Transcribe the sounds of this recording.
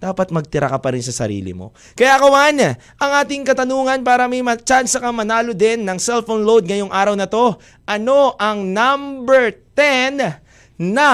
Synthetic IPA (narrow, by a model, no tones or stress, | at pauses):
d̪̥aːpɐt̪̚mɐɡ̚t̪ɪɾʔɐ̰kɐpɐɾɪnsɐsɐ̰ɾḭːlɪ̰mo̞̰ | kɐjakɐwan | ʔɐŋʔaːt̪ɪŋkɐt̪ɐnuːŋɐnpaːɾɐmɐjmɐt͡ʃansɐkɐmɐnaːlod̪ɛnːɐŋsɛlfonlowd̪̚ŋɐjo̞ŋʔaːɾɐwnɐt̪o̞ | ʔɐno̞ʔɐŋnambɛɹt̪ɛnː | ɐ